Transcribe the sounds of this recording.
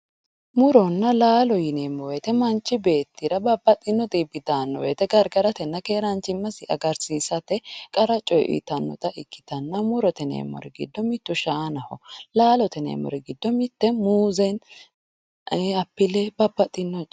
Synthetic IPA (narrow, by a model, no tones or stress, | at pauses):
mʊɾɔnːɐlaːlɔjɪneːmːɔwet̪ɛmɐnt͡ʃːɪbe̞ːt̪ːɪɾɐbɐbːɐt̪ʼɪnːɔt̪ʼibɪd̪aːnːɔ̰wet̪ɛɡɐɾɡɐɾɐt̪ɛnːɐkeːɾɐnt͡ʃːɪmːɐsɪʔɐɡɐɾsiːsɐt̪ɛkʼɐɾɐt͡ʃʼɔjʔɪ̰t̪ɐnːɔ̰t̪ʼɐʔɪkːɪ̥t̪ɐnːɐmʊɾɔt̪ɛnḛːmɔ̰ɾɛɡɪ̰d̪ːɔmɪt̪ːʊʃaːnɐhɔlaːlɔt̪ɛnḛːmɔ̰ɾɛɡɪd̪ːɔmɪt̪ːɛmuːzɛn | ɐpːɪlɛbɐbːɐt̪ʼɪnːɔ